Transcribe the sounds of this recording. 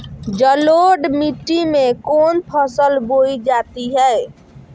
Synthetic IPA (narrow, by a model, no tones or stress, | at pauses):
d͡ʒəloɖmiʈːimekonpʰəsəlboid͡ʒat̪iɦɛe